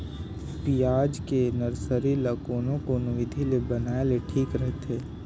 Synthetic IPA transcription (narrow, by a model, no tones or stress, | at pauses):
pijaːd͡ʒkenəɾsəɾiləkoːnõkonʊʋɪd̪ʱilebənaːeleʈʰiːkɾəɦt̪eː